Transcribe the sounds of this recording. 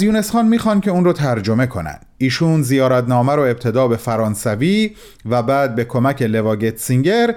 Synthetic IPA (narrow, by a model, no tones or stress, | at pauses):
zjuːne̞sxɑːnmiːxɒːncʰʲe̞uːnrot̪ʰæɾd͡ʒo̞me̞kʰo̞næ̰nd̥̪iːʃuːnzijɒːɾæt̪nɒːmæɾoe̞b̚t̪ʰe̞d̪ɒːbe̞fæɾɒːnsæviː | væbæːd̪̚be̞kʰo̞mæcʰe̞le̞vɒːɟet̪ʰsiŋɟe̞ɾ